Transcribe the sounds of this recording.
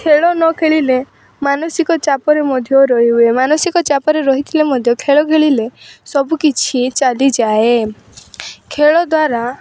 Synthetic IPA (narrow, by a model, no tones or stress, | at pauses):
kʰeɭɔnɔkʰeɭile | manɔsikɔt͡ʃapɔɾemɔd̪ʱjɔɾɔɦiɦuemanɔsikɔt͡ʃapɔɾeɾɔɦit̪ʰilemɔd̪ʱjɔkʰeɭɔkʰeɭilesɔbukit͡ʃʰit͡ʃalid͡ʒae | kʰeɭɔd̪waɾa